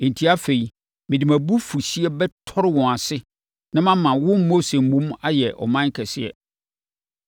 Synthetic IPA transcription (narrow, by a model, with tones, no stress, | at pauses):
ẽ˨n˨tʰi˦a˦fe˨i˨ | mɪ̃˨dɪ˨mæ̃˨bu˦fu˨ɕi˦ɛ˦bɛ˦tʰɔ˦ɾɪ˦wɔ̃˨a˨sɪ˦ | nã˦mã˦mã˨wʊ̃˦nmo˦se˨mũ˦ma˦jɛ˨ʔɔ̰˨mã˦ŋ˦kʰɛ˨sɪ˦ɛ̰˨